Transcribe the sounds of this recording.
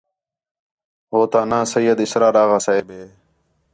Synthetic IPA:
ɦoːt̪aːnãːsəjːəd̪ɪsɾaːɾaːɣaːsaeːbeː

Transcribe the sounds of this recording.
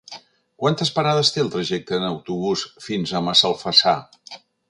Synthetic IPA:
kwant̪əspəɾað̞əst̪eəlˠt̪ɾəʒɛk̚t̪əːnəwt̪uβ̞usfinzəməsəlˠfəsa

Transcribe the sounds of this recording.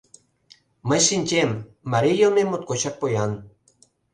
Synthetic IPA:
məjʃinʲt͡ɕʲemː | aɾijomemot̪̚koɕɑk̚pojɑn

